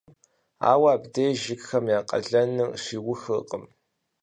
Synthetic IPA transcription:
a̰ːwaːbdejʒɪɡxɐmjaːqʼɐ̰ɮɐnɨʂiːwʊxɨqʼəm

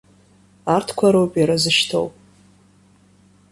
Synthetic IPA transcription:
artʰkʷʰaɾowpʼiɾazɨʃtʰo̰wpʼ

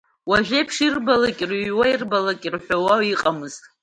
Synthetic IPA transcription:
waʒᶣepʰʂirbalakʲʼrɥwairbalakʼirħʷᶣawawiqʼamɨz̥tʼ

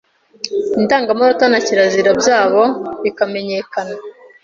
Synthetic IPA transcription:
intaːŋɡamoɾotanaciɾaziɾabjaːβo̞βikame̞ɲe̞kana

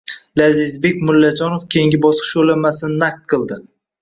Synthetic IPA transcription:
lazɪzbe̞kʲmʊlːad͡ʒɒnofkʲʰejiŋɡʲɪbɒsqʰɨ̥ʃolamasɪnɪnak̚t̪̚qʰɨlˠd̪ɪ

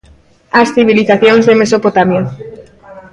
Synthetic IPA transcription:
asθiβ̞iliθaθjoŋzðemesopot̪amjo

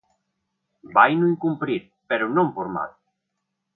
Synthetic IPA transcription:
bajnuiŋkumpɾiɾ | peɾʊnõmpoɾma̰ð

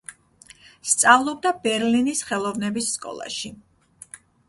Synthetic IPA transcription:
st̪sʼavlˠɔb̚d̪abɛɾlinisχɛlˠɔvnɛbisːkʼɔ̰lˠa̰ʃi

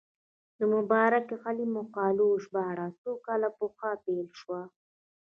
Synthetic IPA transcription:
d̪əmʊbɑːɾakeɣalimʊqɑːloʃbɑɽasokalapʊxapelʃwa

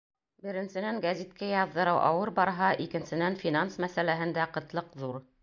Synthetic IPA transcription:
bɘ̆ɾɘ̆nsɘ̆næŋɡæzʲit̪̚kæjɑðːɤ̆ɾɤwʔɑ̰wɤɾbɑɾɦɑʔikɘ̆nsɘ̆nænfʲinansmæsælæɦɘ̆nd̪æqɤ̆t̪lˠɤqðuɾ

